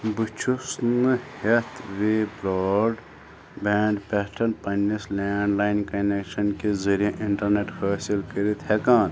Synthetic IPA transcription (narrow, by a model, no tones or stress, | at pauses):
bɨt͡ʃʰusnɨhet̪ʰʋebɾɔːɖ | beːɳɖpɛʈʰɐnpɐnːisleːɳɖlaːinkɐnekʃɐnkezəɾijẽʔiɳʈɐɾneʈfʰɐːsilkəɾit̪hekãːn